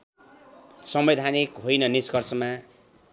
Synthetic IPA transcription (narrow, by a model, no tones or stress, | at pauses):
sʌmbed̪ʱanikɦojnʌniskʌrsʌma